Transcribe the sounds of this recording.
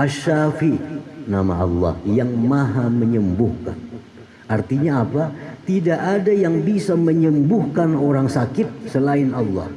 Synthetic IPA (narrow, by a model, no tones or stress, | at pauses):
ʔaʃafinama̰ɑ̰lˠːɑ̰hjaŋmaɦaməɲəmbuhka̰n | art̪iɲaːpat̪idaʔːdajaŋbisaməɲəmbʊhkanoɾaŋsakɪt̪̚səlaɪnɑlːɑ̰h